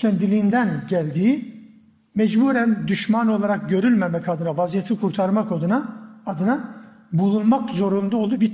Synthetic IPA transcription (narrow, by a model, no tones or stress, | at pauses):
cʰɛnd̪ilʲiːnd̪ænɟælʲd̪iː | mɛd͡ʒbuːɾænd̪yʃmano̞lˠaɾak̚ɟø̞ɾylʲmɛmɛcad̪ɯnavazijet̪ʰikʰuɾt̪ʰaɾmakod̪ɯnaːd̪ɯna | bulˠunmakzo̞ɾund̪ao̞lˠuːbi